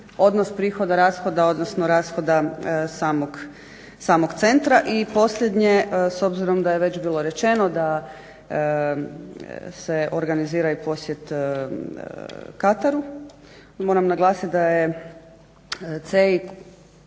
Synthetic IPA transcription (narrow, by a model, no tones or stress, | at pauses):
o̞d̪nospɾiːxo̞d̪aɾaːsxo̞d̪ao̞d̪nosnoɾaːsxo̞d̪asaːmoɡ | saːmoɡt̪se̞nt̪ɾaʔipo̞slʎʲed̪ɲe̞so̞bziɾo̞md̪ajeʋe̞t͡ʃbiːlˠoɾe̞t͡ʃe̞no̞d̪a | seʔo̞ɾɡaniziːɾaipo̞sje̞t̪ | kat̪aɾu | moːɾamnaɡlˠaːsit̪d̪aje | t̪sei